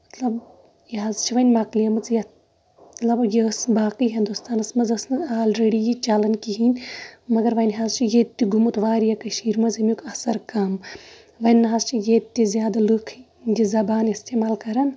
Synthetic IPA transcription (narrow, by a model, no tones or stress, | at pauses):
mɐt̪lɐb | jɦaːzt͡ʃʰiʋɐnʲmɐklijɐmɨt͡sjɐ | t̪lɐbjesbaːkɨjɦind̪ust̪aːnɐsmɐzɐsmɨzaːlɾeɽijit͡ʃaːlɐnkiɦinʲmɐɡɐɾʋɐnʲɦazt͡ʃʰijet̪ʲːiɡʱumut̪ʋaːɾjɐkɐʃiːɾmɐzɐmʲukʰɐsɐɾkɐm | ʋɐnːɦazt͡ʃʰijet̪ːizjaːd̪alɨkʰ | jizɐbaːnist̪ʰeːmaːlkɐɾɐn